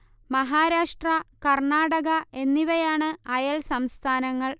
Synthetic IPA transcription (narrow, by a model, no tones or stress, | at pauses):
mɐɦaːɾaːʂʈrɐkɐrɳaːɽɐɣɐe̞nːiʋɐjaːɳɨɐjɐlsɐmst̪ʰaːnɐŋːɐɭ